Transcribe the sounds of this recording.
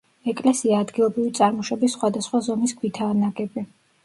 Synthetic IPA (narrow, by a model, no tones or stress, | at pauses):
ɛkʼlɛsiaːd̪ɡilˠɔbɾivit̪sʼaɾmɔʃɛbisːχwad̪asχwazɔmisɡʰwit̪ʰaːnaɡɛbi